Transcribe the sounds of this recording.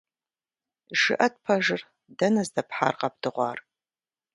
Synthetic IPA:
ʒ̥ɨ̰ʔɐt̚pʰɐʒɪr | dɐnɐzdɐpħa̰ːrqɐp̚d̥ɨʁʷɑ̰ːr

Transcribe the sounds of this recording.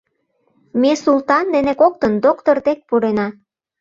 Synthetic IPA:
mesult̪ɑnd̪enekok̚t̪ənd̪okt̪ord̪ek̚puɾenɑ

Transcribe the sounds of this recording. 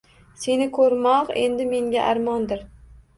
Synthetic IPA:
se̞nɪkʰɵɾmɒqe̞nd̪ɪme̞ŋɡʲaʔaɾmɒnd̪ɪɾ

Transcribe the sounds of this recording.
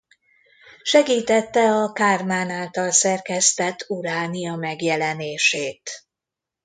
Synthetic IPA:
ʃɛɡiːt̪ɛt̪ːɛɒkaːrmaːnaːlt̪ɒlsɛrkɛst̪ɛt̪ʰːuɾaːnijɒmɛɡjɛlɛneːʃeːt̪

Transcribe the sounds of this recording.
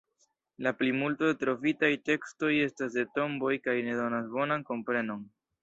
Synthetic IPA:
laplimultodetɾo̞vitajte̞ksto̞je̞stasde̞to̞mbo̞jkajne̞do̞nasbo̞nanko̞mpɾe̞no̞n

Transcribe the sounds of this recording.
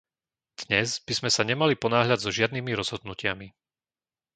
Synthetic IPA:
d̪̥ɲɛzbizmɛsaɲɛmalipɔnaːɦʎad̪zɔʒɪad̪niːmiɾɔz̥ɦɔd̪̚nucɪami

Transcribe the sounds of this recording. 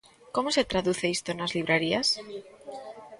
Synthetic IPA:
komose̞t̪ɾaðuθeist̪onazliβ̞ɾeɾias

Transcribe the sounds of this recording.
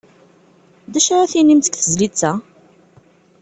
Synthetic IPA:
d̪æʃaɾaθinimt̪ə̥kθəzlit͡sːæ

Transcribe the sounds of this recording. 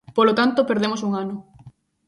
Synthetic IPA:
polot̪ant̪opeɾð̞emosuŋanʊ

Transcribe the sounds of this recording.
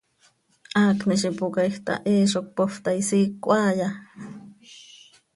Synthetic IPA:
ʔaːkniʃipukajxt̪a̰ʔeːʃok̚poft̪aisiːkːʷʔaːja

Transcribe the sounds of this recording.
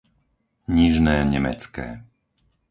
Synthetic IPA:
ɲiʒnɛːɲɛmɛ̰t͡skɛ̰ː

